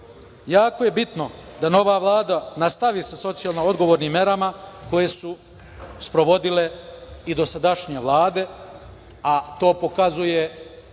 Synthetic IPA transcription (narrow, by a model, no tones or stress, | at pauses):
jaːkoje̞bit̪no̞d̪ano̞ʋaːʋlˠaːd̪anast̪aʋiːsaso̞t̪sijalˠnoo̞d̪ɡo̞ʋo̞ːɾniːmːje̞ɾamako̞je̞su | spɾo̞ʋo̞d̪ile̞id̪o̞sad̪aʃɲeʋlˠaːd̪e̞ | at̪o̞ːpo̞kazuje̞